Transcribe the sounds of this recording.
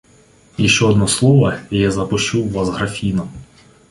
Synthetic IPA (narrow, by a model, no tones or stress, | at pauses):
iʃt͡ʃɛɔd̪nɔslˠɔʋɐjazɐpɔt͡ʃuwːazɦɾɐfʲinɔ